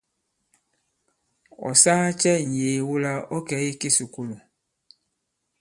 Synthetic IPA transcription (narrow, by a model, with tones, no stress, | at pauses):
ɔ̰˨sa˦t͡ʃɛ˦n̩˨jeː˨wu˦la˦ɔ˦kɛ˨˦i˦ke˦su˨ko˦lu˨